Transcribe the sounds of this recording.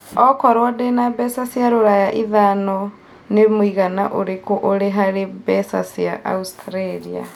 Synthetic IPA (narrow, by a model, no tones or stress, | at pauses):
ɔkɔɾwɔdɛnabɛsasjaɾoɾajaʔiðanɔ | nemwiɣana̰ʔoɾekoʔoɾeɦaɾebɛsa̰siaʔa̰ustɾɛɾia̰